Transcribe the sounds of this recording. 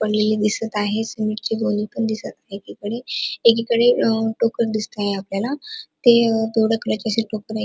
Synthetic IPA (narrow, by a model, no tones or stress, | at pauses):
pəɽlelid̪isət̪aɦesəmiʈkiɡonipəɳd̪isət̪aɦekikəɽeekikəɽeʈokəɾd̪ist̪eaɦeapljalat̪ed̪oɽəkəɾət͡ɕəseʈokəɾa